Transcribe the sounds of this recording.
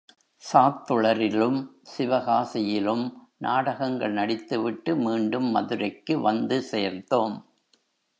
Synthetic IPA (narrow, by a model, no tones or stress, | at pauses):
saːt̪ːɯɭɐɾɪlɯmsɪʋɐɣaːsɪjɪlɯm | nʔaːɽɐɣɐŋɡɐɭnɐɽɪt̪ːɯʋɪʈːɯmiːɳɖɯmːɐ̰ðɯɾɐɪkːɯʋɐnd̪ɯseːɾnd̪oːm